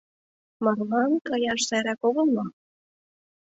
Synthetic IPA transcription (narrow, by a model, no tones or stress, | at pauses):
mɑrlɑnkɑjɑʃsɑjɾɑkoɣɤlˠmɑ